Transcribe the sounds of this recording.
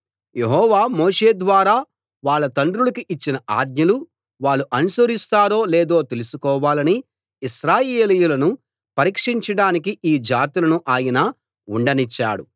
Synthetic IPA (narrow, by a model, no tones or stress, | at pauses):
je̞ɦɔːʋaːmoːʂe̞ːd̪ʋaːɾaː | ʋaːɭːɐt̪ɐɳɖɾulɐkiʔit͡ʃːinɐʔa̰ːd̪̚ɲɐlu | ʋaːɭːuʔɐnusoɾist̪aːɾo̞ːleːd̪o̞ːt̪e̞lusukɔːʋaːlɐniː | ʃɾaːjeːlijulɐnu | pɐɾiːkʂiɲt͡ʃɐɽaːnik̬iʔiːd͡ʒaːt̪ilɐnuʔaːjɐnɐː | uɳɖɐnit͡ʃːa̰ːɽṵ